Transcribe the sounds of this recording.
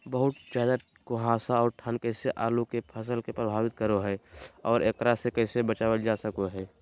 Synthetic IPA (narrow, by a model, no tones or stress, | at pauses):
bəɦʊt̪zjaːd̪a | koɦãːsaɔːɾʈʰankəɪseʔaːlukepʰəs̬əlkepɾəbʱaːʋɪt̪̚kəɾoɦɛːɔːɾeːkɾasekɛːsebət͡ʃaːʋəd͡ʒasəkoɦɛː